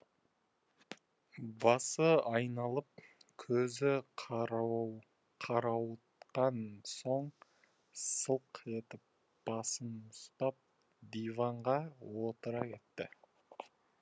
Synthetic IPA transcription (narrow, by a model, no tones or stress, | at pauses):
bɑsəɑjnɑlˠəp̚kʲʰɵzɪqʰ | qʰɑɾɑwt̪qɑnso̞ɴ | səlˠqe̞t̪ɪp̚ | b̥ɑsənʊst̪ɑp̚ | d̪ijvɑɴʁɑwo̞t̪əɾɑkʲe̞t̪ːɪ